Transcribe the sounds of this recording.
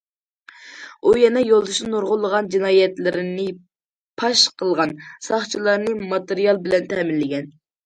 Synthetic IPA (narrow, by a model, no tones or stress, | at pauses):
ujɛnɛjolˠd̪uʃnɨnoɾʁʊlˠːəʁɑnd͡ʒinɑːjɛt̪lɪɾɪnɪ | pʰɑʃqʰəlˠʁɑnsɑχt͡ʃʰilˠɑɾnɨmɑt̪eɾijɑlˠbɪlɛnt̪ʰɛmɪnlːɪɡʲɛn